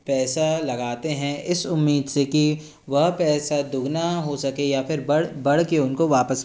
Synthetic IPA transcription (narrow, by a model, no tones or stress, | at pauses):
pɛːsalɐɡaːt̪eɦɛ̃ɪsʊmːiːd̪seki | ʋɐɦpɛːsad̪ʊɡnaɦosɐkejapʰɪɾbɐbɐɽ̤keʊnkoʋaːpəs